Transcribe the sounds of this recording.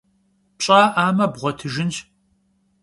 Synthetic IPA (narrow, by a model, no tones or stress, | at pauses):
pɕʼaːʔaːmɐbʁʷɔtʰɨʒɪnt͡ʃ